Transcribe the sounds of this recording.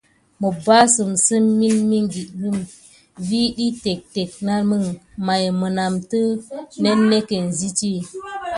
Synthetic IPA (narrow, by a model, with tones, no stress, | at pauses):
mə˨ba˦sə˨msə˦mːi˦nmi˦ŋɡi˨ɡɨ˦m | vi˦ɗi˦te˨k̚te˨k̚na˦lmə˦ŋma˨jmə˨na˨mtə˦ne˦nːe˦ke˨n˨zi˦ti˦